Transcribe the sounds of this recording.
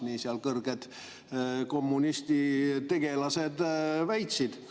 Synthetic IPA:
nisiɑlkɤrɡ̥ed̪̥ | ko̞mːunist̪it̪e̞ɡ̥e̞lɑse̞d̪̥væjt̪sid̪̥

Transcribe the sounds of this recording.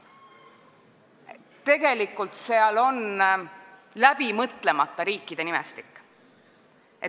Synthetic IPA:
t̪e̞ɡe̞likːˑult̪seɑlo̞n | læb̥imɤt̪ˑle̞mɑt̪ːˑɑɾiːkˑːid̪̥e̞nimḛst̪i̥kːˑ | ʔe

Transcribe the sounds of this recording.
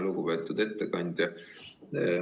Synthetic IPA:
luɡ̥ubeːt̪ːˑud̪̥e̞t̪ːekɑnʲd̪̥ʲjɑ

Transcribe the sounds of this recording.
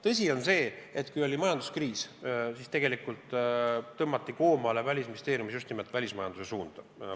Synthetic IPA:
t̪ɤs̬ʲio̞nse̞ːet̪kujo̞lʲimɑjɑnd̪̥uskriːssist̪e̞ɡ̥e̞likˑult̪ː | ɤmːɑt̪ːˑiko̞ːmɑːlevælʲisminist̪eːɾijumisjust̪nimelt̪ːˑvælʲismɑjɑnd̪use̞suːnd̪̥

